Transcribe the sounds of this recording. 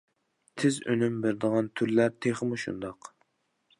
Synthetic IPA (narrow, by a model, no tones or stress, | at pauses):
t̪ʰɪzø̰nymbɪɾd̪əʁɑnt̪ʰyɾlæɾt̪ʰeχmuʃṵnd̪ɑq